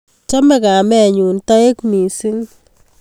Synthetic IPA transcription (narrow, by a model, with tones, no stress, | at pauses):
t͡ʃɐ˦mɛ˨ka˨mɛ˨ɲuː˨ntɔ˦e˦kmi˨si˦ŋ